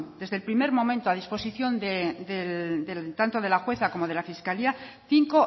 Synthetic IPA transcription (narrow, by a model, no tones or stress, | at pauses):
d̪e̞zðelpɾime̞ɾmõ̞mẽnt̪oað̞ispo̞siθjo̞nd̪ed̪edet̪ant̪o̞ð̞e̞laxwe̞θako̞mo̞ðe̞lafiskalia | θiŋko̞